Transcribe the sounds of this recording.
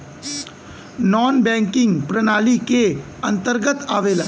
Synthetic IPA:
nɔːnbɛ̃ːŋkɪ̃ŋɡpɾənaːlike | ə̃nt̪əɾɡət̪aːʋeːla

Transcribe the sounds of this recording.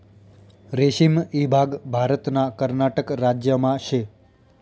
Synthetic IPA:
ɾeʃimibʱaɡbʱaɾət̪nakəɾnaʈəkɾad͡ʒjəmãʃe

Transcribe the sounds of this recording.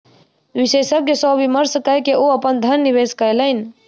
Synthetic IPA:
ʋisesəkːesɔʋiməɾskəɦkeʔoəpənd̪ʱənːiʋeskəjləɪn

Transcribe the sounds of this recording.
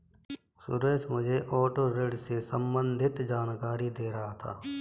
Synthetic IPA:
sʊ̰ɾeːsmʊd͡ʒʱeʔɔːʈoɾeɖsesə̃mbə̃nd̪ʱɪt̪d͡ʒaːnkaːɾid̪eːɾɐɦat̪ʰa̰ː

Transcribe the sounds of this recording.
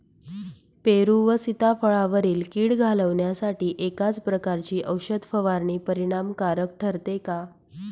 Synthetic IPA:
peɾuːʋəsit̪afəɭaʋəɾiːlkiːɽɡʱaləʋɳjasaʈiːʔekat͡spɾəkaɾt͡ɕiːʔəwɕəd̪ʱfəʋaɾɳiːpəɾiɽ̃amkaɾək̚ʈʰəɾt̪eka

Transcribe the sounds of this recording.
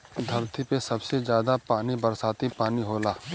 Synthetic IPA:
d̪ʱɐɾt̪ʰipesɐbsed͡ʒjaːd̪apaːnibɐɾsaːt̪ipaːniɦoːlaː

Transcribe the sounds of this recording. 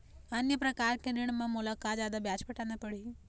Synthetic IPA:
ɐnjəpɾɐkaːɾkeɾɪɽ̃mãmʊlakaːt̪zjaːd̪abjaːt͡ʃbɐʈãnd̪apəɽi

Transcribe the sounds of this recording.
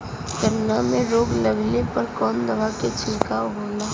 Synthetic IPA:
kəɾnamẽɾoːɡləɡlepəɾkɔːnd̪əʋaket͡ʃʰɪlkaːwɦoːlaː

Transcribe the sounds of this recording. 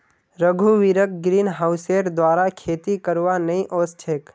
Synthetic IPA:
ɾəɡʱuʋiɾək̚ɡɾiːnɦaʊseːɾd̪waːɾakʰeːt̪ikəɾʋanɐɦĩʔoːst͡ʃʰeːk

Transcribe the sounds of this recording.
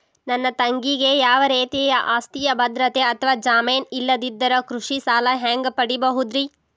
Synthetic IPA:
nɐnːɐt̪ɐŋɡiɡe̞jaːʋɐɾeːt̪ijɐʔaːst̪ijɐbʱɐd̪ɾɐt̪eɐt̪ʰɐʋaːd͡ʒaːmeːnilːɐd̪id̪ːɐɾɐkɾuʂisaːlɐɦaːŋɡpɐɽibɐɦud̪ɾi

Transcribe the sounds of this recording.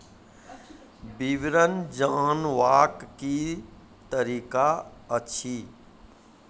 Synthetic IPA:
bɪʋɾənd͡ʒaːnʋaːkki | t̪əɾiːkaətːʃʰi

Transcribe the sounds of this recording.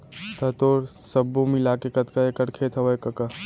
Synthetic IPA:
t̪ət̪oːɾ | səbːomilaːkekɐt̪kəekəʈkʰet̪ʰɐʋəekɐkə

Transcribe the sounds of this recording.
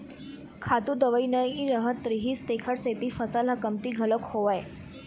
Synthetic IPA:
kʰat̪uːd̪əʋəinəjiɾəɦət̪ːɾiɦiːst̪ekʰəɽset̪iːfət͡salakəmt̪iːɡʱələkhoʋaj

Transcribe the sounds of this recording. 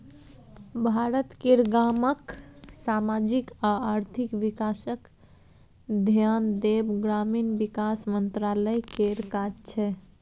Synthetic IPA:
bʱaɾət̪keɾɡaməksamad͡ʒikaaɾt̪ʰikʋikasək | d̪ʱjand̪ebɡɾaminbikasmənt̪ɾaləjkeɾkad͡ʒt͡ʃʰɛ

